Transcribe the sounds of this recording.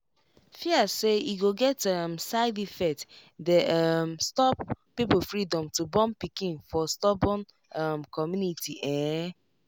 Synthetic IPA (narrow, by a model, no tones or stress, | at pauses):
fiaseiɡoɡɛtamsaɪdifɛtdɛamstɔpː | ipofɹidɔ̃mtubɔ̃mpikĩnfɔstɔbɔ̃n | amkɔmjunitiʔɛ̃